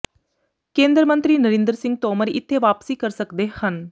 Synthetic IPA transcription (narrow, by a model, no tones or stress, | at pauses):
kẽːnd̪ɾəmənt̪ɾiːnəɾɪ̃nd̪əɾsɪ̃ŋɡ̚t̪ɔːməɾɪt̪ʰːeːʋaːpsiːkəɾsəkd̪eːhən